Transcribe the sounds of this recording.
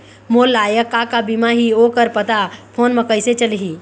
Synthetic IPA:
moːlːaːjəkːakabimaɦioːkəɾpət̪apʰoːnmə̃kəɪset͡ʃəlɦi

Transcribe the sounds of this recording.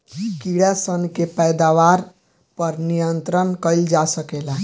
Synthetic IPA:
kiɽasənkepəjd̪aʋaɾ | pəɾnijənt̪ɾənkəjld͡ʒasəkela

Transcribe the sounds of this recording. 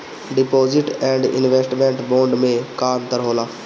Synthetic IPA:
ɖɪpoːzɪʈɛ̃ːɳɖɪ̰nʋeːsʈmẽːɳʈbõːɳɖmẽkaːnt̪əɾɦoːlaː

